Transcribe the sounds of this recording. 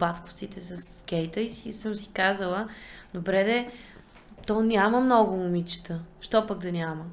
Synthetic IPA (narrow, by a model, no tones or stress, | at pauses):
bat̪kʊ̥ft̪sit̪ɛsɐsk̟ɛjt̪əisisɤmsi̥kazəlˠəd̪obɾɛd̪ɛ | t̪ɔnʲaməmnɔɡʊmʊmit͡ʃɛ̥t̪əʃt̪ɔpəɡd̪ɐnʲamə